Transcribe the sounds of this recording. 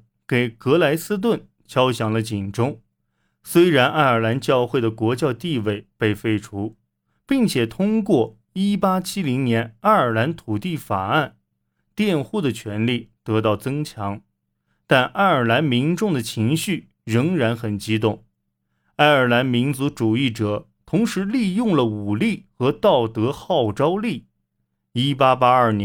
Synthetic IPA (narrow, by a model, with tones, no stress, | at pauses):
ke˨˩ɪkɤ˧˥la˧˥ɪsɹ̩˥t̪̬wə˥˩n | t͡ɕʰjɑ˥ʊɕjɑ˨˩ŋlə˦t͡ɕi˨˩nʈ͡ʂʊ˥ŋ | swe˥ɪɻa˧˥nʔa˥˩ɪə˞˨˩la˧˥nt͡ɕjɑ˥˧ʊxwe˥˩ɪd̪ə˩kwɔ˧˥t͡ɕjɑ˥˧t̪i˥˧we˥˩ɪpe˥˩ɪfe˥˩ɪʈ͡ʂʰu˧˥ | pi˥˩ŋt͡ɕʰjɛ˨˩t̪ʰʊ˥ŋkwɔ˥˩ | i˥pa˥t͡ɕʰi˥li˧˥ŋnjɛ˧˥na˥˩ɪə˞˨˩la˧˥nt̪ʰu˨˩t̪i˥˩fa˨˩a˥˩n | t̪jɛ˥˧nxu˥˩d̪ə˩t͡ɕʰɥɛ˧˥nli˥˩t̪ɤ˧˥t̪ɑ˥˩ʊt͡sɤ˥ŋt͡ɕʰjɑ˧˥ŋ | t̪a˥˧nʔa˥˩ɪə˞˨˩la˧˥nmi˧˥nʈ͡ʂʊ˥˩ŋd̪ə˩t͡ɕʰi˧˥ŋɕy˥˩ | ɻɤ˧˥ŋɻa˧˥nxə˨˩nt͡ɕi˥t̪ʊ˥˩ŋ | a˥˩ɪə˞˨˩la˧˥nmi˧˥nt͡su˧˥ʈ͡ʂu˨˩i˥˩ʈ͡ʂɤ˨˩˦ | t̪ʰʊ˧˥ŋʂɻ̩˧˥li˥˧jʊ˥˩ŋlə˩u˨˩li˥˩xɤ˧˥t̪ɑ˥˩ʊt̪ɤ˧˥xɑ˥˩ʊʈ͡ʂɑ˥ʊli˥˩ | i˥pa˥pa˥ə˞˥˩n˧˥